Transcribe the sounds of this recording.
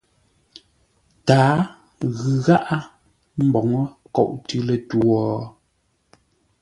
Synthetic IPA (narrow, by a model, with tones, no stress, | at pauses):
taː˨˦ | ɣʉ˨ɣa˦ʔa˦ | m̩˦bɔ˨ŋə˦kɔ̰˨ʔtʉ˦lə˨twɔː˨